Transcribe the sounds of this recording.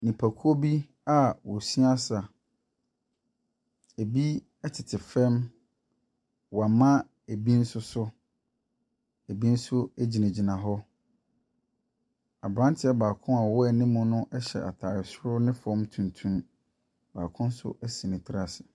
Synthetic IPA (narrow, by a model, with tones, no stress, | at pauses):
nĩ˨pʰa˨kʰu˦o˦bi˦ | a˦wɔ˨si˦a˦sa˨ | e˨bi˦ | ɛ˦tʰɪ˨tʰɪ˨fɛ̃˦m | wɔ˨a˨mã˦ | e˨bi˦n̩˦sʊ˦sʊ˦ | e˨bi˦n̩˦sʊ˦æ˦d͡ʑi˨nã˨d͡ʑi˨nã˨ɦɔ˦ | a˨bɾã˦ntʰɪ˦ɛ˦baː˨kʰʊ̃˦a˨wɔ˦ɛ˨nɪ̃˦mʊ̃˦nʊ̃˦ʔɛ˦ɕɛ̰˨a̰˨tʰaː˨ɾɪ˨sʊ˦ɾʊ˦nɪ̃˦fɔ̃˦mtʰũ˨ntʰũ˦m | ba̰ː˨kʰʊ̃˦n˦sʊ̰˦ʔæ˦sĩ˨nɪ̃˨tʰɪ˦ɾa˦sɪ̥˨